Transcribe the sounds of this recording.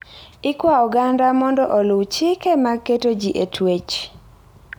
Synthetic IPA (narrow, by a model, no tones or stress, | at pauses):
ɪkwaɔɡandamɔndɔʔɔlʊwt͡ʃɪkemakːetod͡ʒiʔetʰwet͡ʃ